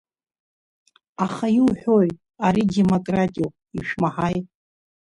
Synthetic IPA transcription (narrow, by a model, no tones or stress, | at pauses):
aχajiwħʷᶣoj | aɾidemokʼratʼio | iʃᶣmaħajtʼ